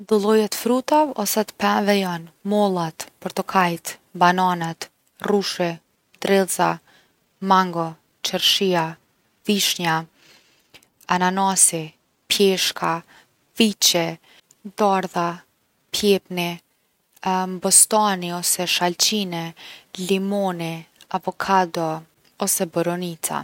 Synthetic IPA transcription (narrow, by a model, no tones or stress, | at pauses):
d̪ɔlˠɔjɛt̪fɾut̪avɔsɛt̪ə̥pɛvɛjanmɔlˠat̪pɔɾt̪ɔkʰajt̪bananɛt̪ | ruʃɛ | d̪̥ɾɛlza | maŋɡɔ | t͡ʃəɾʃia | viʃɲa | ananasi | pjɛʃkʰa | vit͡ɕɛ | d̪aɾða | pjɛpni | mbɔst̪aniɔsɛʃalt͡ɕinɛlimɔniapɔkʰad̪ɔ | ɔsɛbɔɾɔnit̪ʰa̰